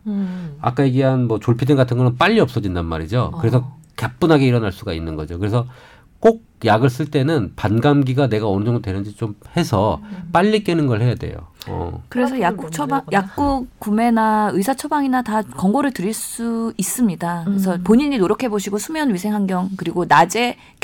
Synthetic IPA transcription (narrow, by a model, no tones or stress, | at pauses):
a̰k͈ajeɡiɦanmʌt͡ɕoɭpʰidɯnɡatʰɯnɡʌnɯnp͈aʎːiʌp̚s͈ʌd͡ʑindanma̰ɾid͡ʑo̰kɯɾe̞sʰʌ | kap͈unɦaɡe̞iɾʌnaɭs͈uɡainːɯnɡʌ̰d͡ʑokɯɾe̞sʰʌ | k͈ok̚jaɡɯɭs͈ɯɭt͈e̞nɯnpanɡamɡiɡane̞ɡaʌnɯd͡ʑʌŋdodwenɯnd͡ʑit͡ɕ͈omhe̞sʰʌp͈aʎːik͈enɯnɡʌɭɦhe̞jade̞̰jo̰ʌ̰kɯɾe̞s̬ʰʌjakt͡ɕʰʌbajak̚k͈ukume̞naɯisʰat͡ɕʰʌbaŋinatakʌŋɡoɾɯɭtɯɾiɭs͈uis͈ɯmɲidakɯes̬ʰʌpoɲiɲinoɾjʌkʰe̞boɕʰiɡosʰumjʌnɥisʰe̞ŋɦaŋɡjʌŋkɯɾiɡonad͡ʑe̞